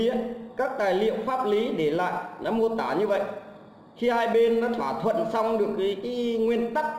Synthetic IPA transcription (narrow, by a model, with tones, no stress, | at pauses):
kaː˦˥k̚t̪aː˨˩jlḭ˧˨əwfaː˦˥p̚li˨˦ɗe˧˩la̰ː˧˨jnɔ˨˦mo˧t̪aː˧˩ɲɨ˧və̰˧˨j | xi˧haː˧jɓe˧nːɔ˨˦t̪ʰwaː˧˩t̪ʰwə̰˧˨nsa˧wŋ͡mɗɨ˨˩ək̚ːjkaː˨˦ŋwi˧ənt̪a˦˥k̚